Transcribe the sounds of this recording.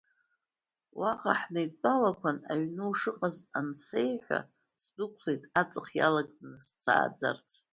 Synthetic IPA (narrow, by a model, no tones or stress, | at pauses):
waqʼaħnɨjt͡pʼalakʷʰanaɥnɨwʂɨqʼazansejħħʷa̰ | sdɨkʷʰlejtʼat͡sʼɨχja̰laɡ̚ʼd͡zʼnɨst͡sʰa̰ːd͡za̰rt͡sʰ